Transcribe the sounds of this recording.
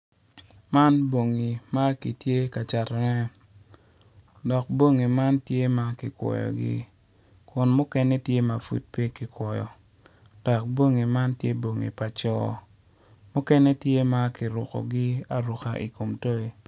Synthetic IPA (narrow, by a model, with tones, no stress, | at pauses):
ma˦nbo˨ŋi˨ma˦ki˨tje˦ka˨t͡ʃa˨tɔ˨nɛ˦ | dɔ˨k̚bo˦ŋi˨ma˦ntje˦ma˦kɪ˨kwɔ̰˨jɔ̰˨ɡɪ̰˦ | kʊ˨nmʊ˦kɛ˦nɛ˦tje˦ma˨fṵ˨t̚pe˦kɪ˨kwɔ˨jɔ̰˨ | d̥ɔ˨k̚bo˦ŋi˨ma˦ntje˦bo˨ŋḭ˨pa˨t͡ʃɔ˦ | mʊ˦kɛ˦nɛ˦tje˦ma˦kɪ˨ɾʊ˨kɔ̰˨ɡɪ˦a˨ɾʊ˨ka˦ʔḭ˨ko˨mto˦e˦